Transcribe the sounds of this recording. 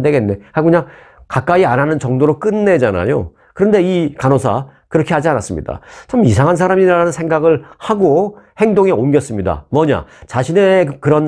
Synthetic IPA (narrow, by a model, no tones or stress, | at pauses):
de̞ɡe̞nːe̞hakɯɲaŋ | kak͈aiananɯnt͡ɕʌŋdoɾok͈ɯnːe̞d͡ʑana̰jo̰ | kɯɾʌnde̞ikanosʰakɯɾʌkʰehad͡ʑianas͈ɯmɲḭda̰t͡ɕomisʰaŋɦansʰaɾamiɾaanɯnsʰe̞ŋɡaɡɯɭhaɡohe̞ŋdoŋe̞omɡjʌs͈ɯmɲida̰mʌɲa̰t͡ɕaɕʰine̞kɯɾʌn